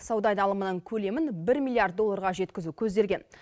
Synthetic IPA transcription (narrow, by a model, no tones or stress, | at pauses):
sɑwd̪ɑjd̪ɑlˠəmənəɴkʲʰɵle̞mɪnbɪɾmilːˠijard̪̚ːolˠːɑɾʁɑʒe̞t̪kʲɪzukʲʰɵzd̪e̞ɾɡʲe̞n